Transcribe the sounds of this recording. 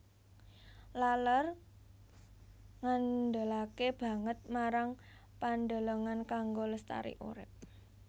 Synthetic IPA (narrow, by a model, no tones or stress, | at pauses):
lalər | ŋand̪əlakeb̥ä̤ŋət̪̚maɾaŋ | pand̪o̤loŋankaŋɡoləst̪a̰ɾḭʔṵɾɪ̰p̚